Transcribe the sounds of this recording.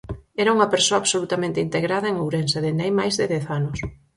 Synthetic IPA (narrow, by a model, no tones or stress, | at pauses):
ɛɾauŋɐpeɾsoaβsolut̪amẽnt̪ɪint̪eɣɾaðɐeŋowɾenseðend̪ajmajzðɪðɛθanʊs